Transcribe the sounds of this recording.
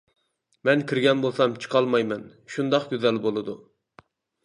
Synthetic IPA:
mɛnkʲiɾɡʲɛnbolˠsɑmt͡ʃʰɨ̥qʰɑlˠmɑjmɛn | ʃund̪ɑqɡʲøzɛlbolˠɨd̪u

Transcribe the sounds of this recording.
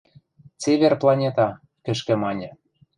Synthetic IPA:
t͡seβʲerplˠɑnʲet̪ɑ | kɘ̆ʃkɘ̆mɑnʲɤ̆

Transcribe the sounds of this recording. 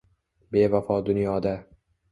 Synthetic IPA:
be̞vafɒd̪ʊnjɒd̪a

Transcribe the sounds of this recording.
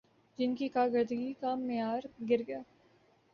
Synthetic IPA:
d͡ʒɪnkikaːɡəɾd̪əɡikamɪjaːɾɡɪɾɡəjaː

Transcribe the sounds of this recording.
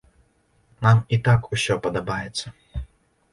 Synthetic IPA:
namit̪akusʲɔpɐd̪ɐbajɛt̪sːɐ

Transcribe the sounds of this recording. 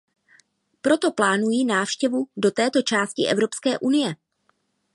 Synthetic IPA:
pɾo̞t̪o̞plaːnujiːnaːfʃcɛvudo̞t̪ɛːt̪o̞t͡ʃaːscɪʔɛvɾo̞pskɛːʔunɪjɛ

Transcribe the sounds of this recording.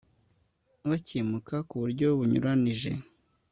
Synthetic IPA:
βaciːmukakuβuɾɟo̞βuɲṵɾaniʒe̞̰

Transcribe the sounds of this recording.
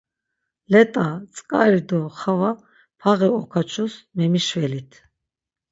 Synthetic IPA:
lɛt̪ʼat͡sʼkʼaɾid̪ɔχava | pʰaʁɛɔkʰat͡ʃʰusmɛmiʃvɛlit̪ʰ

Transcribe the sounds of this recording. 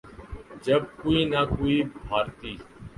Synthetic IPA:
d͡ʒəb̚koːiːnaːkoːiːbʱaːɾt̪iː

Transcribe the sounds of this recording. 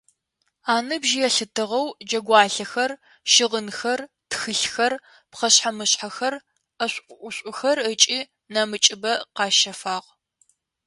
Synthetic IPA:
aːnɨbʒɪjɛɬɨtʰɨʁɐwd͡ʒɐɡʷɑːɬɐxɐr | ʃɪʁənxɐr | txɨɬxɐr | pχɐɕħamɨɕħaxɐr | ɐɕʷʼʔʷʊʔʷʊɕʷʼʊxɐrət͡ʃʼiː | nɐmɨt͡ʃʼɪbɐqɑːʃɐfaːʁ

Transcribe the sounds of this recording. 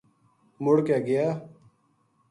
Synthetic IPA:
mʊɽkeːɡəjaː

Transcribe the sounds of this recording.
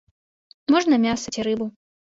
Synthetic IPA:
mɔʐnɐmʲasɐt͡sʲiɾɨbu

